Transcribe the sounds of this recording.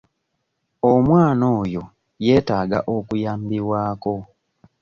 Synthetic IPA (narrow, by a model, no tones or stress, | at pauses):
omwaːno̞ːjo | je̞ːtaːɡa̰ʔokujaːmbiwaːko̞